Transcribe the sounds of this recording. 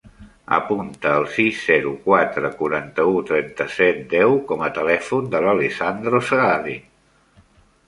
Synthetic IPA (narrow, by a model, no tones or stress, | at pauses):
ə̰punt̪əːlˠsizːɛɾukwat̪ɾəkuɾant̪əut̪ɾɛnt̪əsɛt̪̚d̪ɛwkɔmət̪əlɛfund̪ələlesand̪ɾosəɣaði